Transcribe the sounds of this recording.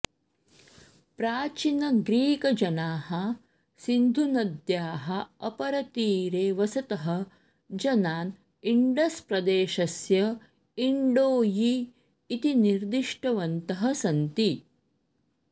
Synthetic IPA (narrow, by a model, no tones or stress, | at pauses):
pɾaːt͡ʃinɐɡɾiːkɐd͡ʒɐnaːhɐ | sind̪ʱunɐd̪jaːɦɐɐpɐɾɐt̪iːɾeːʋɐsɐt̪ɐɦɐ | d͡ʒɐnaːn | iɳɖɐspɾɐd̪eːʃɐsjɐ | iɳɖoːjiː | t̪iniɾd̪iʂʈɐʋɐnt̪ɐɦɐsɐnt̪i